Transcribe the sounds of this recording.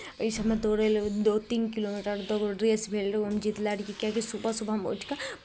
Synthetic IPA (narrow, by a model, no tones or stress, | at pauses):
isɐmẽd̪oːɾeld̪oːt̪iːnkiloːmiːʈəɾd̪oɡɾeːsbʱeːlɾemd͡ʒit̪laɾkikakisupasubʱamo̰t͡ʃka